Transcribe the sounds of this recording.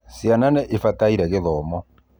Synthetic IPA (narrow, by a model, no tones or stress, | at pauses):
sjananɛʔefataiɾɛɣeðɔːmɔ